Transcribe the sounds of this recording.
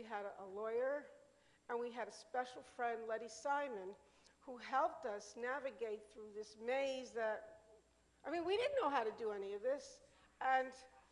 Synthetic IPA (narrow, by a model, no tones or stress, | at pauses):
iɨɾəlɔɪə˞ | ə̃nwiɨɾɨspɛʃl̩ˠfɹɛ̃ndˡlɛɾisãɪmɨ̃n | huɦɛlˠp̚tʌsnævɨɡeɪt̪̚θɹuðɪsmeɪzðɨt̚ | aɪmĩnwiɾɪdⁿn̩noʊɦaʊɾɨdɨɛniʌvðɪs | ɨ̃n